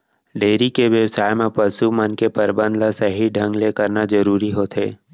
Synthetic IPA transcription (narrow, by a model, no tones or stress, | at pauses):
ɖeːɾikeʋjəʋsaːjemẽpəsumənkepəɾbə̃nd̪lasəɦiɖʱə̃ŋɡlekɐɾnazəɾuːɾiɦoːt̪ʰḛː